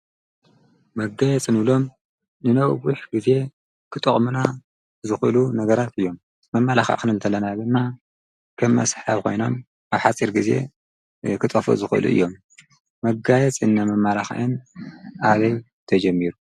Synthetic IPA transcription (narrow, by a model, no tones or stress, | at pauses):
mɐɡajɛt͡sʼɨnulo̞m | nɨnɐwwuħɡɨze̞ | kʰɨt̪ʼɨχʼmɨna | zɨxɨlunɐɡɐɾat̪ɨjːo̞m | mɐmːalaxa̰ʔkɨnɨlt̪ʰɐlɐnad̪ɨmːa | kʰɐmːɐ̰sħaβkʰo̞̰jno̞̰m | ʔaβħat͡sʼiɾɡize̞̰ | kʰɨt̪ʼɐfo̰zɨxʔɨlṵʔɨ̰jːo̞mː | ɐɡajɛt͡sʼɨnːamɐmːalaxa̰ʔɨnʔaβɐj | t̪ʰɐd͡ʒɐmːiɾu